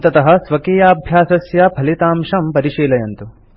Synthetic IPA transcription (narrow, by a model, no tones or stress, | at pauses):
t̪ɐt̪ɐɦɐ̆sʋɐkeːjaːbʱjaːsɐsjɐbʱɐlit̪aːmʂɐmpɐɾiʃiːlɐjɐnt̪u